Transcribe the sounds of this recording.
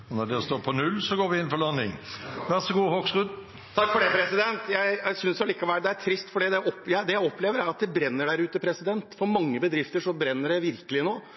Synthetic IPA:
ɔnɔd̪ɛst̪oːpʰɔnʉlsɔɡoːʋɪɪnfɔloːnɪŋʋæʁsəɡuːhoːksʁʉːd̪ | t̪ʰɑkːfɔɖɛpʰɾɛsɪd̪ɛnt̪jæɪsʏnsɑliːkɑʋæld̪ɛæʈʰɾɪst̪fɔɖiːd̪ɛɔpːjæd̪ɛjæɪɔpːleːʋəɾæɾɑt̪̚d̪ɛbɾɛnːəɖæɾʉːt̪əpʰɾɛsɪd̪ɛnt̪fɔɾmɑŋːəbəd̪ɾɪft̪əʂɔbɾɛnːəɖɛʋɪɾkəlɪnoː

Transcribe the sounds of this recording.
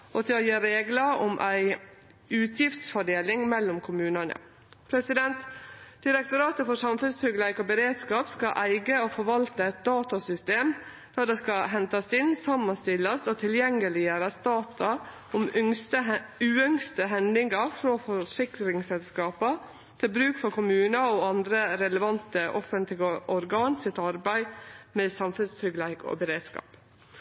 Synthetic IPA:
ʔɔt̪ʰɪlɔjeːɾeːɡlɑɾɔmʔæɪ | ʉːt̪ʰjɪft̪sfɔɖeːlɪŋmɛlːʊmkʰʊmʉːnɑnə̰ | pʰɾɛsɪd̪ɛnt̪d̪̥ɪɾɛk̚t̪ʊɾɑːt̪əfɔsɑmfʉnshʏɡlæɪkɔbəɾeːd̪skɑːpskɑʔæɪɡəofɔɾʋɑlt̪əɛt̪̚d̪ɑːt̪ɑsʏst̪eːm | d̪̥ɑːd̪ɛskɑɦɛnt̪ɑst̪ɪnːsɑmːənst̪ɪlːɑsɔt̪ʰɪljɛŋːəlɪjæːɾəsd̪̥ɑːt̪ɑ | ʊmʏŋst̪əʉːœŋst̪əɦɛnd̪ɪŋɑɾfɾoːfɔsɪkɾɪŋsɛlskɑːpə | t̪ʰɪlbɾʉːkfɔɾkʰʊmʉːnəɔɑnd̪ɾəɾɛləʋɑnt̪əʔɔfənt̪lɪɡəʔɔɾɡɑːnsɪt̪ɑɾbæɪmɛsɑmfʉnst̪ʰɾʏɡəlæɪkɔ̰bəɾeːd̪skɑ̰ːp

